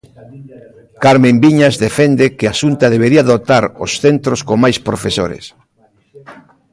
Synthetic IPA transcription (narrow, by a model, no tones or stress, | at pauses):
kaɾmẽmbiɲazðefɛnd̪ekɪasunt̪aðeβeɾiaðot̪aɾosθent̪ɾoskomajspɾofeso̰ɾḛs